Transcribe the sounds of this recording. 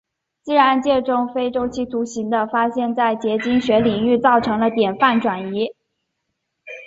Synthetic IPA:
t͡ɕi˥ɻa˧˥nt͡ɕjɛ˥˧ʈ͡ʂʊ˥ŋfe˥ɪʈ͡ʂo˥ʊt͡ɕʰi˥˩t̪ʰu˧˥ɕi˧˥ŋd̪ə˧fa˥ɕjɛ˥˧nt͡sa˥˩ɪt͡ɕjɛ˧˥t͡ɕi˥ŋɕɥɛ˧˥li˨˩ŋy˥˧t͡sɑ˥˩ʊʈ͡ʂʰɤ˧˥ŋlə˧t̪jɛ˨˩nfa˥˩nʈ͡ʂwa˨˩ni˧˥

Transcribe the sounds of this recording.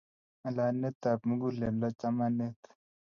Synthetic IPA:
ɐ˨la˨ne˦t̪a˨pmu˦ɡu˦le˨lo˦t͡ʃa˦ma˦ne˦t̪

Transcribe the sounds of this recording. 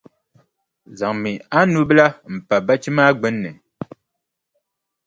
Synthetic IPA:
za˨ŋmi˨a˦nu˦bla˦m̩˨pa˨ba˦t͡ʃi˦maː˦ɡ͡bɛ˦nːɛ˨

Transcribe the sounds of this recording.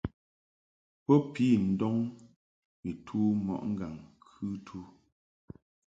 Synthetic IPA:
pɔ˦piː˨˦˨n̩˨˦dɔ˦ŋ | mi˨tʰuː˦mɔ̰˨ʔŋ̩˦ɡa˨ŋkʰʉ˦tʰu˦

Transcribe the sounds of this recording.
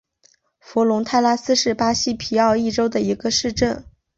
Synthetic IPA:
fɔ˧˥lʊ˧˥ŋt̪ʰa˥˧ɪla˥sɹ̩˥ʂɻ̩˥˩pa˥ɕi˥pʰi˧˥ɑ˥˧ʊi˥˩ʈ͡ʂo˥ʊd̪ə˨i˧˥ɡə˧ʂɻ̩˥˧ʈ͡ʂə˥˩n

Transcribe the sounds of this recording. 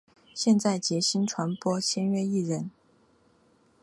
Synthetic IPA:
ɕjɛ˥˧nt͡sa˥˩ɪt͡ɕjɛ˧˥ɕi˥nʈ͡ʂʰwa˧˥npwɔ˥t͡ɕʰjɛ˥nɥɛ˥i˥˩ɻə˧˥n

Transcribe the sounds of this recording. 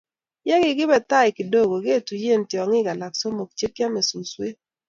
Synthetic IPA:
jɛ˦ɡɪ˦˨ɡɪ˦bɛ˨t̪a˦ɪ˨kɪ˨do˦ɡo˨ɡe˦˨tu˨je˦˨ntjɔ˨ŋɪ˦ɡa˨la˨kso˦mo˨k̚t͡ʃe˦kja˦me˨su˨swe˦

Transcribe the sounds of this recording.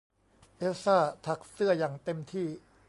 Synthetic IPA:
ʔe˦˥saː˥˩t̪ʰa˦˥k̚sɯ˥˩ɐjaː˨˩ŋt̪e˧mt̪ʰiː˥˩

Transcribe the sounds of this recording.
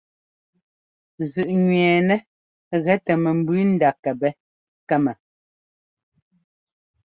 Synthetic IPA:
zʉ˨ʔɲɥɛː˨nɛ˦ | ɣɛ˦tɛ˨mɛ˨m̩˨bʉ˦n̩˦da˨kɛ˨bɛ˦ | kɛ˦mɛ˨

